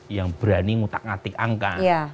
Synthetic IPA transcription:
jaŋb̥ɾaniŋut̪ak̚ŋat̪ɪk̚aŋkaja

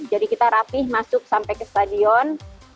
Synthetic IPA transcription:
d͡ʒadikit̪aɾapɪhmasʊk̚sampajkəst̪adiɔn

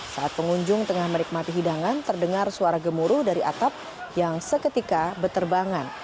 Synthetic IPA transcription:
saat̪̚pəŋuɲd͡ʒʊŋt̪əŋahmənik̚mat̪iɦidaŋant̪ərdəŋarsuaɾaɡəmuɾuhdaɾiʔa̰t̪ap̚ | jaŋsəkət̪ikabət̪ərbaŋan

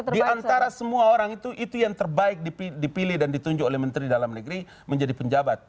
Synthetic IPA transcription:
t̪ədianaɾasəmuaoɾaŋit̪uʔit̪ujaŋt̪ərbaɪk̚dipidipilɪhdandit̪uɲd͡ʒʊkolɛhmənt̪ɾidalamnəɡɾi | məɲd͡ʒadipəɲd͡ʒabat̪̚

